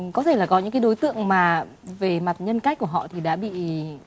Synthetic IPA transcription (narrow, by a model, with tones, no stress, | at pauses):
kɔ˨˦t̪ʰe˧˩laː˨˩kɔ˨˦ɲɨ̰˧˥ŋkaː˨˦jɗo˨˦jt̪ɨ̰˧˨əŋmaː˨˩ | ve˨˩ma˨˩t̚ɲə˧nka˦˥jk̚ku˧˩əɦɔ̰˧˨t̪ʰi˨˩ɗa̰ː˧˥ɓḭ˧˨